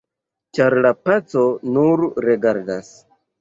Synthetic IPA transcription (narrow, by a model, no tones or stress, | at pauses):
t͡ʃaɾlapat͡so̞nuɾɾeɡaɾdas